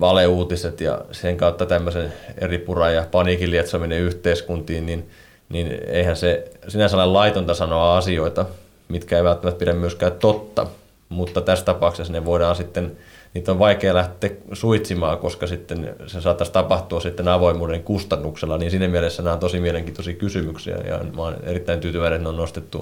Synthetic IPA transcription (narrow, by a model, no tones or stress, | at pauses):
ʋɑleuːt̪iset̪jɑ̰seŋkɑut̪ːɑt̪æmːøsenḛripurɑjjɑpɑniːkiliet̪somineyht̪eiskunt̪iːnnin | ninḛihænsesinæselːɑlɑit̪ont̪ɑsɑnoɑɑsioit̪ɑ | mit̪kæeiʋælt̪ːæmæt̪̚piɾæmmyøskæytt̪ot̪ːɑ̰ | mut̪ːɑt̪æst̪ɑpɑksesneʋoiɾɑːnsit̪ːen | niːt̪oʋʋɑikeːlæht̪ˑeːksuit̪simɑːkoskɑsit̪ːensesɑːt̪ːɑst̪ɑpɑht̪uɑssit̪ːenɑʋoimˑuːdeŋkust̪ɑnːukselːɑniːnsiːnæmielesːænot̪osimieleŋkit̪osikysymyksḭɑ̰jɑ̰nmɑnḛrit̪ːæint̪yːt̪yʋæinet̪neonnost̪et̪ːṵ